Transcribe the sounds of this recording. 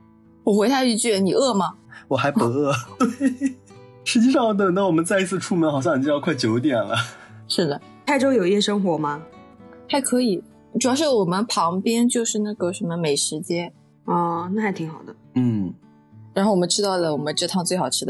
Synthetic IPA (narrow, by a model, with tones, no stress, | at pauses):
wɔ˨˩xwe˧˥ɪt̪ʰa˥˧i˧˥t͡ɕy˥˩ɻə˧˥ni˨˩ɤ˥˩mɐ˩wɔ˨˩xa˧˥ɪpu˧˥ɤ˥˩t̪e˥˩˥ | ʂɻ̩˧˥t͡ɕi˥˧ʂɑ˥˩ŋwt̪̬ə˥˩˦na˥˩wɔ˨˩mə˦nt͡sa˥˧ɪi˥t͡sʰɹ̩˥˧ʈ͡ʂʰu˥˧mə˧˥nxɑ˨˩ɕ̬jɑ˥˧ŋni˨˩t͡ɕjkʰwa˥˩ɪt͡ɕjo˧˥ʊt̪̬jɛ˨˩nlə̰˨˦ | ʂɻ̩˥˩d̪ə˩ | t̪ʰa˥˩ɪʈ͡ʂo˥ʊjo˨˩i˥˧˩ʂɤ˥ŋxwɔ˧˥mɐ˧t̪ʰa˥ɪkʰɤ˧˥i˨˩˦ | ʈ͡ʂu˨˩jɑ˥ʊʂɻ̩˥˩wɔ˨˩mə˦npʰɑ˧˥ŋpjɛ˥nt͡ɕjo˥˧ʊʂɻ̩˥˧na˥˩ɡə˩ʂə˧˥nmə˧me˨˩ɪʂɻ̩˧˥t͡ɕjɛ˥n | ɔ˥˩na˥˩xa˧˥ɪt̪ʰi˧˥ŋxɑ˨˩ʊd̪ə˦n̩˥˩ | ɻa˧˥no˥ʊwɔ˨˩ə˦ʈ͡ʂʰɻ̩˥t̪ɑ˥˩ʊlə˩wɔ˨˩mə˦nʈ͡ʂɤ˥˧t̪ʰɑ˥˧ŋt͡swe˥˩ɪxɑ˨˩ʊʈ͡ʂʰɻ̩˥d̪ə˨˩